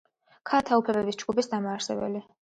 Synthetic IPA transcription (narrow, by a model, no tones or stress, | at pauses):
kʰat̪ʰaupʰlɛbɛbisd͡ʒɡupʰisd̪amaːɾsɛbɛ̰li